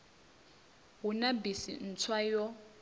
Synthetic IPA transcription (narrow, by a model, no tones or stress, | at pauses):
ɦunabisḭn̩t͡sʰwajɔ